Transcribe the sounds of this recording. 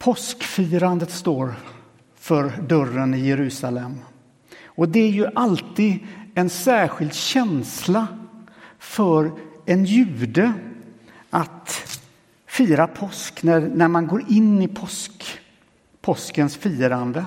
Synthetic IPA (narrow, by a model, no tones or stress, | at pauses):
pʰɔskfiːɾand̪ət̪st̪oːɾ | fœɾɖœɾənɪjɛɾʉ̟ːsalɛmː | ɔd̪ɛæɾjɵʔalt̪iːd̪ɛnsæːɧɪld̪ɕɛnsla | fœɾɛnjʉ̟ːd̪ə | ʔat̪ | fiːɾapʰɔsknæɾnæɾmanɡoːɾɪnːɪpʰɔsk | pʰɔskənsfiːɾand̪ə